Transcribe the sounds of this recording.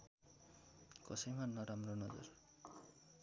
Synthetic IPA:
kʌsʌjmanːʌɾamronʌd͡zɔ̰r

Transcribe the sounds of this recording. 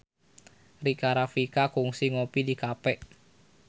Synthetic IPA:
rikaɾafikakuŋsiŋopidikapɛʔ

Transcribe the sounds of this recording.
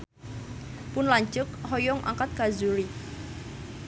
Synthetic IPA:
pʊnlaɲt͡ʃʊk̚hɔjɔŋʔa̰ŋkat̪̚ɡ̥azuɾi

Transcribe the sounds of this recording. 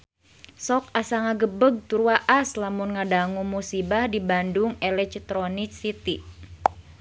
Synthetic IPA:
sɔkasaŋaɡəbəɡ̚t̪uɾuwaʔaslamunŋadaŋumusibahdibanduŋɛlɛk̚t̪ɾɔnik̚sit̪i

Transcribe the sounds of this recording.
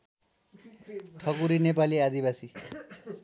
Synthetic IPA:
ʈʰɔkuɾinepaliad̪ibasi

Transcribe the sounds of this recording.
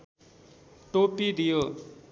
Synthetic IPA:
ʈopid̪ijo

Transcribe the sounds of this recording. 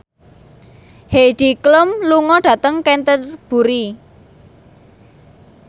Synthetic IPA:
heɖ̪̥i̤klʊmluŋɔɖ̥ä̤t̪əŋkɛnt̪ərb̥ṳɾi

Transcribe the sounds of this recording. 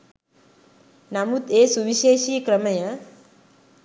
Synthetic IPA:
namut̪esuʋiʃeːʃiːkɾəməjə

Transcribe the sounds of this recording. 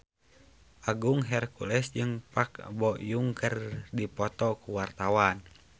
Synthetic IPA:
ʔaɡuŋɦɛrkulɛsd͡ʒɨŋpakbɔʔjuŋkərdipɔt̪ɔkuwart̪awan

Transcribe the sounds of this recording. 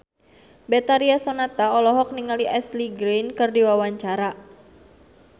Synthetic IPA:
bet̪aɾiasonat̪aɔlɔɦɔk̚niŋaliʔɛsliɡɾinkɨrdiwawaɲt͡ʃaɾa

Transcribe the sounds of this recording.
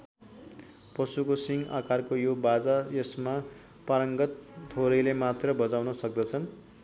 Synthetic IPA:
pʌsukosiŋɡa̰karkojobad͡zajesma | paɾʌŋɡʌt̪t̪ʰoɾʌjlemat̪rʌbʌd͡zawnʌsʌk̚d̪ʌt͡sʰʌn

